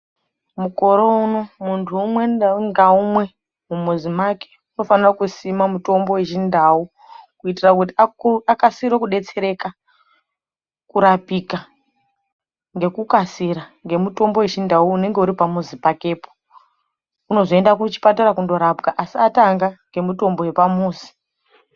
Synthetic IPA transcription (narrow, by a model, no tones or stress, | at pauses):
muko̞ɾouno̞muntʰuːmwe̞ŋɡaumwe̞ | mumuzimake̥ | uno̞fanirakusimamuto̞mbo̞weʒindau | kuitirak̬ut̬iaakasiɾokuɗe̞t͡se̞ɾe̞ka | kuɾapika | ŋɡe̞kukasiɾaŋɡe̞muto̞mbo̞we̞ʒindauːne̞ŋɡe̞uɾipamuzipake̞ːpo | uno̞zoe̞ndakut͡ʃi̥pataɾakundo̞ɾabɡaʔasiataŋɡaŋɡe̞muto̞mbo̞we̞pamuːzi̥